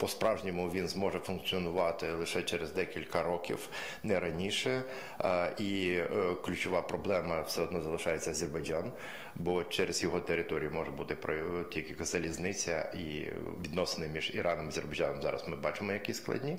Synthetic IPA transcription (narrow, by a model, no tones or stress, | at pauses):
pɔspɾɑwʒnʲimʊʋʲinzmɔʒɛfʊnk̚t͡s̪ʲiɔnʊʋɑt̪ɪlˠɪʃɛt͡ʃɛɾezd̪ɛkʲilʲkɐɾɔkʲḭw | nɛɾɐnʲiʃɛ | iklʲʊt͡ʃʊʋɑpɾɔblˠɛmɐwsɛɔd̪nɔzɐlˠɪʃɑjet͡sʲːɐɐzʲerbɐjd͡ʒɑn | bɔt͡ʃɛɾez̥jɔɦɔt̪eɾɪt̪ɔɾʲijʊmɔʒɛbut̪ɪpɾɔtʲikɪkzɐlʲiznɪt͡sʲɐ̰ḭʋʲid̪nɔsenɪmʲiʒiɾɑnɔmɐzʲerbɐjd͡ʒɑnɔmzɑ̰ɾɐ̰smɪbɑt͡ʃɪmɔjɐkʲisklˠɐ̰dʲnʲi